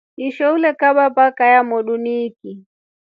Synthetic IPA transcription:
iʃɔulɛkaɓapakajamɔɗuniːki

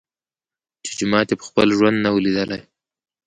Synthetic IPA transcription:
t͡ʃe̥d͡ʒʊmɑt̪epə̥xpəlʒwand̪nawəlid̪əlaj

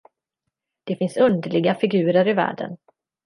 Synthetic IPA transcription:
d̪̥ɛfɪnsɵnd̪əɭɪɡafɪɡʉ̟ːɾəɾɪvæ̰ːɖə̰n

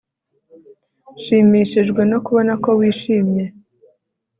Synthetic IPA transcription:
ʃiːmiːʃiʒɡwe̞no̞kuβo̞nako̞wiːʃiːmje̞

